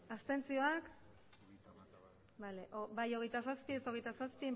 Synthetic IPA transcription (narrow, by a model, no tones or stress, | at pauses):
ast̪e̞nt͡sio̞ak | baleʔbajo̞ɣ̞e̞jt̪asaspieso̞ɣejt̪asaspi